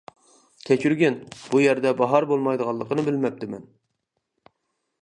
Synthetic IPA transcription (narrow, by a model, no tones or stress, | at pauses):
kʲʰɛt͡ʃʰyɾɡʲɛnb̥ujɛɾd̪ɛbɑɦɑɾbolˠmɑjd̪əʁɑlˠːəqənɨbɪlmɛp̚t̪ʰɪmɛn